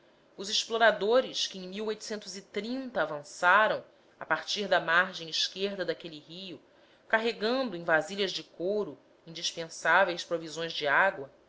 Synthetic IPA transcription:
ʊzɪʃploɾad̪oɾɪʃkɪẽj̃miwojt̪ʊ̥sẽnt̪ʊzit̪ɾĩnt̪ɐːvɐ̃saɾɐ̃w̃ | a̰paɾt͡ʃiɾd̪ɐmaɾʒẽj̃iʃkeɾd̪ɐd̪akelihijʊ | kaɦeɡɐ̃nd̪ʊẽj̃vaziʎɐzd͡ʒɪkoɾʊ | ĩnd͡ʒiʃpẽsavejspɾovizõj̃zd͡ʒɪaɡwɐ

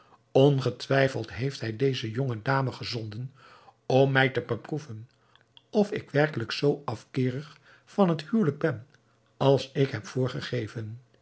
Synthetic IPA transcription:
ɔnχətʋɛjfəlˠtɦejftɦɛjdejzəjɔŋədaːməχəzɔndən | ɔmːɛjtəbəpruvən | ɔfɪkʋɛrkələksowɑfkɪːrəχ | fɑnɦəthyːwləɡ̚bɛn | ɑlˠsɪkɦɛpfʊːɹχəχejvən

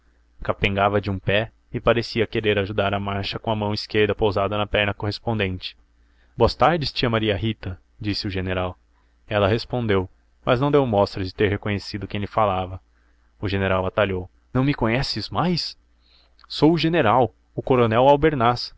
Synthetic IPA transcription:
kapẽŋɡavɐd͡ʒɪũpɛ | ɪpaɾesiɐkeɾeɾaʒud̪aɾɐmaɾʃɐkõɐmɐ̃w̃ɪskeɾd̪ɐpowzad̪ɐnɐpɛɾnɐkoɦespõnd̪ẽnt͡ʃɪ̥ | boɐst̪aɾd͡ʒɪst͡ʃĩɐmaɾiɐɦit̪ɐ | d͡ʒisɪʊʒeneɾaw | ɛlɐɦespõnd̪ew | mɐznɐ̃w̃d̪ewmɔst̪ɾɐd͡ʒɪt̪eɾɦekõɲesid̪ʊkẽj̃lɪfalavɐ | ʊʒeneɾawat̪aʎow | nɐ̃w̃mɪkõɲɛsɪzmajs | sowʊʒeneɾaw | ʊkoɾonɛwawbeɾnas

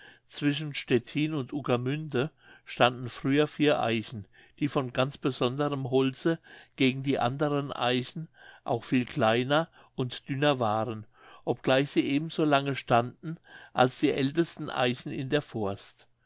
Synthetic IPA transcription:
t͡sv̥ɪʃ̬n̩ʃtɛtʰiːnʊntʔukamʏndə | ʃtandn̩fʁ̥yːɐfiːɐʔa̰ɪçn̩ | d̥iːfɔnɡant͡sb̥əzɔndəʁəmɦɔlt͡səɡ̥eːɡŋ̩diːʔa̰ndəʁənʔa̰ɪçn̩ʔa̰ʊxfiːlkʰl̥aɪnɐ | ʔʊntd̥ʏnɐvaːʁən | ʔɔp̚ɡ̥laɪçz̥iːʔeːbm̩zoːlaŋəʃtandn̩ʔa̰lsd̥iːʔɛltəstn̩ʔa̰ɪçn̩ɪ̰ndeːɐfɔɐst

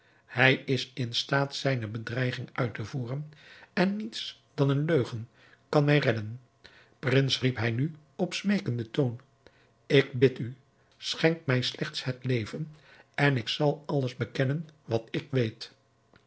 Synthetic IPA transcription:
hɛjɪsɪnstaːtsɛjnəbədrɛjχɪŋʔœɥtəvuːrənɛnːits | d̥ɑnənløɥχən | kɑnmɛjrɛdən | prɪnsripɦɛjny | ɔpsmejkəndətown | ɪkbɪty | sχɛŋkmɛjslʔɛχtsɦətlejvənɛnɪksɑlˠɑlˠəzbəkɛnənʋɑtɪkʋejt

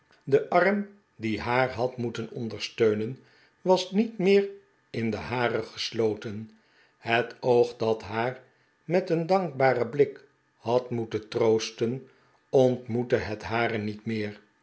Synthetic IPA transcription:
dəʔɑɹm | diɦaːɹɦɑtmutənɔndəɹstøɥnən | ʋɑsnitmɪːr | ɪndəhaːrəχə̥slowtən | hətowχdɑtɦaːɹ | mɛtəndɑŋk̚baːrəblɪk | hɑtmutəntrowstən | ɔntmutəɦɛtɦaːɾənitmɪːɹ

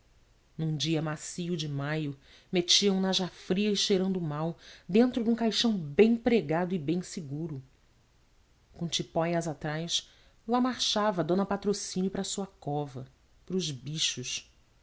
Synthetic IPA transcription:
nũd͡ʒiɐmasiʊd͡ʒɪmajʊ | met͡ʃiɐũnaʒafɾiɐɪʃejɾɐ̃nd̪ʊmawd̪ẽnt̪ɾʊd̪ũkajʃɐ̃w̃bẽj̃pɾeɡad̪ʊɪbẽj̃siɡuɾʊ | kõt͡ʃipɔjɐzat̪ɾajs | lamaɾʃavɐd̪õnɐpat̪ɾosĩnjʊpɾɐsuɐkɔvɐ | pɾʊzbiʃʊʃ

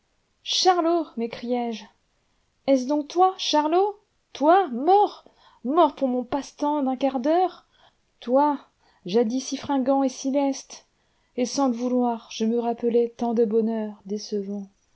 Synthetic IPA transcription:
ʃaʁlomekχijɛʒ | ɛs̬d̪ɔ̃k̚t̪waʃaʁlo | t̪wamɔʁ | mɔʁpuʁmɔ̃past̪ɑ̃d̪ɛ̃kaʁd̪œʁ | t̪wa | ʒad̪isifχɛ̃ɡɑ̃esilɛst̪ | esɑ̃ləvulwaʁʒ̥əməʁapəlɛt̪ɑ̃d̪əbɔnœʁd̪esəvɑ̃

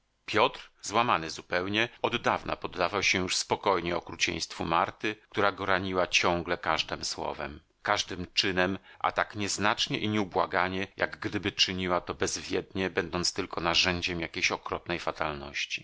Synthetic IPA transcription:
pʲjɔt̪ɾzwamanɘzupɛwɲɛɔd̪ːavna̰pɔd̪ːavawɕɛjuʂspɔkɔjɲɛɔkɾut͡ɕɛ̰̃j̃st̪fumaɾt̪ɘk̚t̪uɾaɡɔɾaɲiwat͡ɕɔ̃ŋɡlɛkaʐd̪ɛmswɔ̰vɛ̰m | kaʐd̪ɘmt͡ʂɘnɛmʔa̰t̪akɲɛznat͡ʂɲɛʔiɲɛubwaɡaɲɛjʔa̰ɡːd̪ɘbɘt͡ʂɘɲiwat̪ɔbɛzvʲjɛd̪ɲɛbɛnd̪ɔnt̪st̪ɘlkɔnaʐɛɲd͡ʑɛmjakʲejɕɔkɾɔpnɛjfat̪alnɔ̰ɕt͡ɕi̥

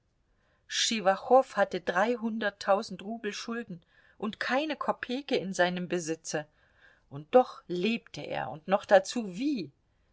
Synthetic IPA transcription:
ʃivaχɔfhatədʁaɪɦʊndɐtʰːaʊzn̩tʁuːbl̩ʃʊldn̩ | ʔʊntkʰaɪnəkʰɔpʰeːkəɪnzaɪnəmbəzɪt͡sə | ʔʊnt̚d̥ɔχleːptʰəʔḛːɐʔʊ̰ntnɔχd̥at͡suːviː

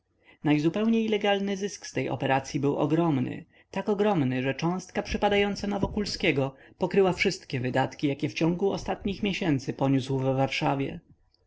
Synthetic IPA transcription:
najzupɛwɲejlɛɡalnɘzɘskst̪ɛjɔ̰pɛɾat̪sʲjibɘwʔɔ̰ɡɾɔmnɘ̰ | t̪akɔɡɾɔmnɘʐɛt͡ʂɔ̃w̃st̪̚kapʂɘpad̪ajɔnt̪sanavɔkulskʲɛɡɔpɔkɾɘwafʂɘst̪kʲɛvɘd̪at̪kʲijakʲɛft͡ɕɔ̃ŋɡuɔst̪at̪ɲixmʲjɛɕɛnt̪sɘpɔɲuswvɛːaɾʂavʲjɛ̰

